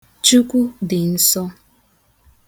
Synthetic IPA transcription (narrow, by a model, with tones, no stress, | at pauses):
t͡ʃu˦kʷu˦dɪ˨n̩˦sɔ˦